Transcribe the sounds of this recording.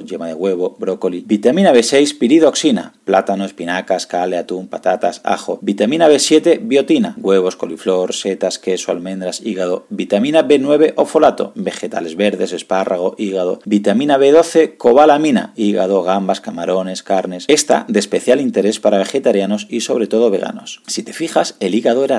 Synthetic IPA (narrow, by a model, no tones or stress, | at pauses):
ʝemaðeɣwe̞β̞o̞bɾokolibit̪amĩnaβe̞se̞jspiɾiðo̞ksina̰plat̪anoespinakaskaleat̪umpat̪at̪a̰sa̰xo̞bit̪amĩnaβe̞sje̞t̪e̞βjo̞t̪inaɣwe̞β̞o̞sko̞liflo̞ɾse̞t̪aske̞soa̰lmẽnd̪ɾasiɣaðo̞bit̪amĩnabe̞nwe̞β̞e̞ʔo̞fo̞lat̪o̞̰be̞xe̞t̪a̰le̞zβe̞ɾðe̞se̞spara̰ɣ̞o̞ʔiɣaðo̞̰bit̪amĩnaβe̞ð̞o̞θe̞ko̞β̞alamĩna̰iɣa̰ð̞o̞ɣ̞ambaskamaɾo̞ne̞skaɾne̞se̞st̪a̰d̪espe̞θjalint̪e̞ɾe̞spaɾaβ̞e̞xe̞t̪aɾjano̞siso̞βɾe̞t̪o̞ðo̞βe̞ɣ̞a̰no̞̰ssit̪e̞̥fixase̞liɣaðoeɾa